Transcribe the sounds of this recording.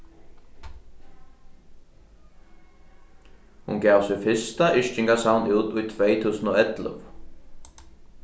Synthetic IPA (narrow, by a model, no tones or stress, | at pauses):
hṵnɡɛːwsɪfɪst̪aʔɪʃt͡ʃɪŋkasawnuːt̪ʊjt̪ʰʋɛjt̪ʰuːsənɔːɛt̪ləv